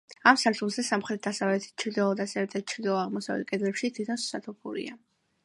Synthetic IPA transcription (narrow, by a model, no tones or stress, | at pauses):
amsaɾt͡ʃ̪ʰulˠzɛsamχɾɛt̪̚d̪asavlɛt̪ʰi̥t͡ʃʰɾd̪ɛlˠɔd̪asɛɾɛt̪ʰat͡ʃʰɾd̪ɛlˠɔaʁmɔsavɛ̰t̪̚kʼɛd̪ɾɛpʃit̪ʰwit̪ʰɔnssat̪ʰupʰuɾḭa